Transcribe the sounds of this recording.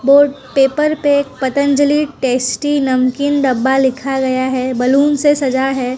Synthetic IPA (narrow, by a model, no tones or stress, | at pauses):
boːʈ | peːpəɾpeːk̚pɐt̪ə̃nd͡ʒəliʈeːsʈinɐmkɪnɖɐbːalɪkʰaɡɐjaɦɛbɐluːnsesɐd͡ʒaɦɛː